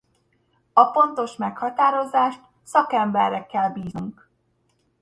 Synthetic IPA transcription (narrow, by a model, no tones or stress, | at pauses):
ɒfo̞nt̪o̞ʃmɛkhɒt̪aːɾo̞zaːʃt̪̚ | sɒkɛmbɛrːɛkːɛlbiːzuŋk